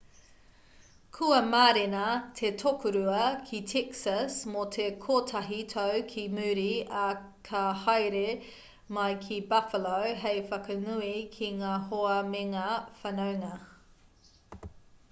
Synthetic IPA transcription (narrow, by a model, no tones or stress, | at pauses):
kʰuɐmaːɾenɐtʰetʰokʰuɾuɐkʰitʰɛksɐsmotʰekʰoːtʰɐɦitʰowkʰimʉːɾiɐ | kʰɐhɑjɾe | mɐjkʰibɐfəlowɦejfɐkɐnuikʰiŋaːhoɐmeŋafɐnowŋɐ